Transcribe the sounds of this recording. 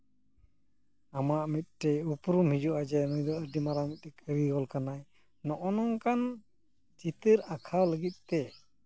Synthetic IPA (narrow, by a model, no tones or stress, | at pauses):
amaʔmit̪̚ˀʈɛupɾumhid͡ʒɔʔad͡ʒɛnujd̪ɔəɖimaɾawmit̪̚tɛkʰəɾiɡɔlkanaj | nɔʔɔnɔŋkan | d͡ʒit̪əɾakʰawləɡit̪̚ˀt̪ɛ